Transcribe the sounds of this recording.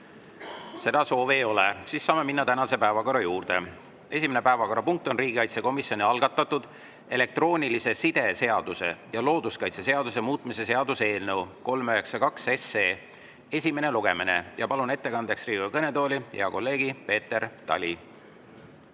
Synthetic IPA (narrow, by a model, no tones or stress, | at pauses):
se̞d̪̥ɑso̞ːveːo̞lesisːɑːme̞minːɑt̪ænɑse̞pæevɑko̞ɾɑjuːrd̪̥e̞̰ | e̞simine̞pæevɑko̞ɾɑpuŋk̚t̪ˑo̞nriːɡ̥ʲikɑjt̪seko̞misjo̞nʲiɑlɡ̥ɑt̪ːˑɑt̪ːud̪̥ | e̞le̞k̚t̪ro̞ːnʲilise̞sid̪̥e̞se̞ɑd̪̥use̞̰jɑlo̞ːd̪̥uskɑjt̪sese̞ɑd̪us̬e̞muːt̪ˑmise̞se̞ɑd̪use̞ːlnewko̞lmøɦe̞ksɑkɑkse̞seː | e̞sʲime̞ne̞luɡ̥e̞mine̞̰jɑpɑlune̞t̪ːe̞kɑnd̪̥e̞ksriːɡ̥ukɤne̞t̪o̞ːlʲiheɑko̞lːe̞ːɡ̥ipe̞ːt̪ːe̞ɾt̪ɑ̰lʲi